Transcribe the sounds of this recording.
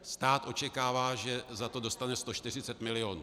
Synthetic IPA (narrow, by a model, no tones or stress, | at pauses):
st̪aːt̪ʔo̞t͡ʃɛkaːvaːʒɛzat̪o̞do̞st̪anɛst̪o̞ʃt̪ɪr̝ɪt͡sɛt̪mɪlɪo̞ːnṵː